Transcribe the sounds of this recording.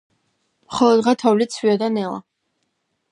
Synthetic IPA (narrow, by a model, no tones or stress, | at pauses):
mχɔlˠɔd̪ʁat̪ʰavlit̪sʰwiɔd̪anɛlˠa̰